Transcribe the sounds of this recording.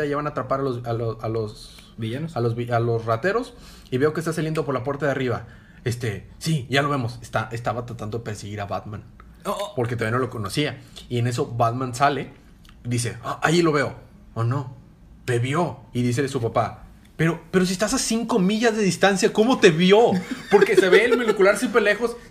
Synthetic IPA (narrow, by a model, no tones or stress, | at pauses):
ajeβanat̪ɾapaɾalozalosalos | iʝanosalo̞zβialo̞srat̪e̞ɾo̞s | iβe̞o̞kest̪as̬alje̞nd̪o̞poɾlapwe̞ɾt̪aðariβa | e̞st̪e̞siʝalo̞βe̞mo̞sest̪aʔest̪aβat̪ɾat̪and̪oðepe̞ɾseɣiɾaβat̪mãn | po̞ɾket̪aβjnoloko̞nosiaie̞ne̞s̬o̞βaðmãnsale̞ | ðis̬e̞̰aʔailo̞βe̞o̞ | ono̞ | be̞βjo̞iðis̬e̞lesupapa | pe̞ɾo̞pe̞ɾos̬iest̪asasiŋko̞miʝazðe̞ðist̪ansjako̞mo̞t̪e̞βjo̞po̞ɾke̞se̞βe̞ːlmonukulaɾsjempɾele̞xo̞s